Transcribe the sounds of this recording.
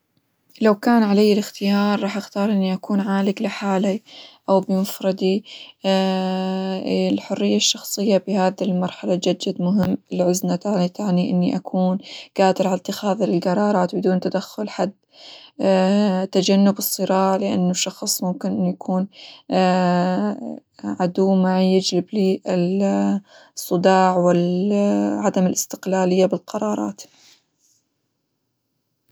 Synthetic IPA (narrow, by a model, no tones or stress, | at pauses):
lawkaːnʕalajːɪlɪxt̪ɪjɑːɾˤːɑːħʔɪxt̪ɑːɾˤʔɪnːiʔakuːnʕaːlɪklɪħaːliʔawbɪmʊfɾˤɑd̪i | lħʊrːɪjːaʃːɑxsˤɨjːabɪhaːðilmɑɾˤħalad͡ʒad͡ʒːad̪mʊɦɪmːɪlʕʊznat̪aʕnit̪aʕniʔɪnːiʔakʰuːnɡ̥aːd̪ɪɾʕalat̪ːɪxaːðlɪlɡɑɾˤɑːɾˤɑːt̪bɪd̪uːnt̪ad̪axːʊlħad̪ː | t̪ːad͡ʒanːʊbɨsˤːɨɾɑːʕlɪʔa̰nːuʃɑxsˤmʊmkɪnʔɪnːujakʰuːn | ʕad̪uːmajɪd͡ʒlɪbliːɪl | sˤːɨd̪ɑːʕwɪl | ʕad̪amɪlʔɪst̪ɪ̥qlaːlɪjːabɪlqɑɾˤɑːɾˤɑ̰ːt̪